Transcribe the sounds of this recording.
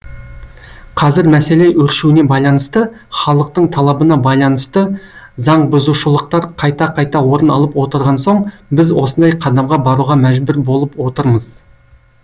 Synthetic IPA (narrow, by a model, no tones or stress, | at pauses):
qʰɑzɪɾmæse̞le̞ʔɵɾʃuwɪne̞bɑjlˠɑnəst̪ə | χɑlˠəq̚t̪əɴt̪ʰɑlˠɑbənɑbɑjlˠɑnəst̪ə | zɑɴbʊzuʃəlˠəq̚t̪ɑɾqʰɑjt̪ɑqʰɑjt̪ɑwo̞ɾənɑ̰lˠəpwo̞t̪əɾʁɑnsoɴbɪzwo̞sənd̪ɑjqʰɑd̪ɑmʁɑbɑɾuʁɑmæʒbʊɾbo̞lˠəpwo̞t̪əɾməz̥